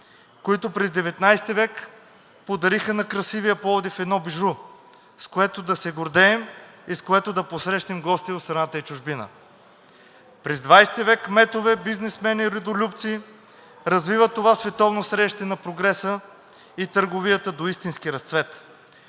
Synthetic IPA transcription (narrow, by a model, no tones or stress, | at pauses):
koit̪opɾɛzd̪ɛvɛt̪najst̪ivɛk | pod̪ɐɾixənɐkɾɐsivijəpɔvod̪ifɛd̪nɔbiʒɾu | skoɛt̪od̪ɐsɛɡoɾd̪ɛːmiskoɛt̪od̪ɐposɾɛʃnɛmɡɔst̪iot̪st̪ɾɐnat̪əit͡ʃʊʒbinə̰ | pɾɛzd̪vajsɛt̪ivɛkmɛt̪ovɛbiznɛsmɛniɾɛd̪olʲupt̪siː | ɾɐzvivət̪ːovasvɛt̪ɔvnosɾɛʃt̪ɛnɐpɾoɡɾɛsə | it̪əɾɡovijət̪əd̪oist̪inskiɾɐst̪svɛt̪